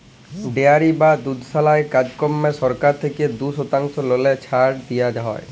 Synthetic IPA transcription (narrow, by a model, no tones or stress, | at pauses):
ɖeaɾibad̪ud̪ʱsalaekad͡ʑkɔmːesɔɾkaɾt̪ʰeked̪usot̪aŋsɔlolet͡ɕʰaɾʈd̪ijad͡ʒaɦɔ̰j